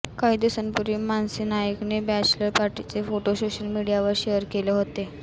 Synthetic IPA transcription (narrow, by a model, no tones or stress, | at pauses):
kajd̪usənpuɾimansinajəknebæt͡ɕləɾpaɾʈit͡sefoʈosoɕəlmiɽijaʋəɾɕejəɾkeleɦot̪e